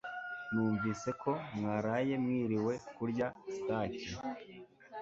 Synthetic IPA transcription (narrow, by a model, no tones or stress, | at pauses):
nuːɱviːse̞kʰo̞mŋaːɾaje̞mŋiːɾiwe̞kuɾɟasi̥taːci